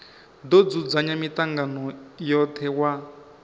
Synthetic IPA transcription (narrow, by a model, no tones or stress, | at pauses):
d̪od͡zud͡zaɲamitaŋɡanɔjɔt̪ʰɛwa